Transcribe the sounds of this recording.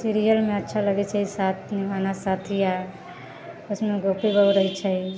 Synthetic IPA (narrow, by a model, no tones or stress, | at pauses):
siɾijəlmeətːʃʰaləɡɛt͡ʃʰəisat̪ʰnimanasat̪ʰija | osmeɡopibəwɾəɦt͡ʃʰə